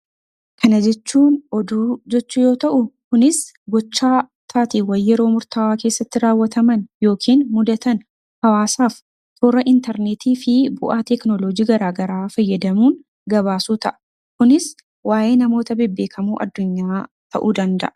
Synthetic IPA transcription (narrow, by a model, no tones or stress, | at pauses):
kʰɐnɐd͡ʒɛt͡ʃːuːnɔd̪uːd͡ʒɛt͡ʃːujo̞ːt̪ɐʔʊkʊnɪs | ɡɔt͡ʃːaːt̪ʰaːt̪iwɐjːɛɾo̞ːmʊɾt̪ɐwaːke̞ːsːɐt̪ːɪɾaːwːɐt̪ɐmɐnjo̞ːkʰiːnmʊd̪ɐt̪ɐn | hɐwaːsaːf | t̪ʰoːɾɐʔɪnt̪ɐɾnet̪ʰiːfɪbʊʔaːt̪ɛknoloːd͡ʒiːɡɐɾaːɡɐɾaːfɐjːɐd̪ɐmuːn | ɡɐβaːsuːt̪ɐʔɐ̥ | kʊnɪs | waːje̞ːnɐmo̞ːt̪ɐbɛbːe̞ːkʰɐmuːʔɐ̰d̪ːʊɲːaː | t̪ɐ̰ʔuːd̪ɐnd̪ɐ̰ʔɐ